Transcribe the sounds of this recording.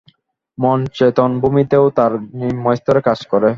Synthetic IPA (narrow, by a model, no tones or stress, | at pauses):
mɔnt͡ɕet̪ɔnbumit̪eot̪aɾnimɔjst̪oɾekad͡ʑkɔɾe